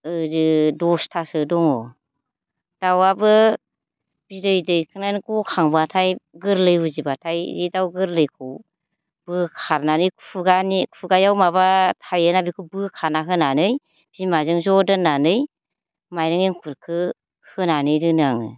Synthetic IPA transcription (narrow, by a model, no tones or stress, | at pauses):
ɯdɯdɔstʰasɯdɔŋɔ | d̥awabɯ | b̥idɯjdɯjkʰɯŋnajnɡɔkʰaŋbatʰajɡɯɾlɯjuzibatʰajɾidawɡɯɾlɯjkʰɯw | b̥ɯkʰaɾnanɯjkʰpʰuɡanikʰpʰuɡajawmaβatʰajɯnabikʰɯwbɯkʰaɾnaɦɯnanɯj | b̥imazɯŋzɔdɯnːanɯj | majɾɯŋeŋkʰuɾkʰɯ | hɯnanɯjɾɯnɯaŋɯ̰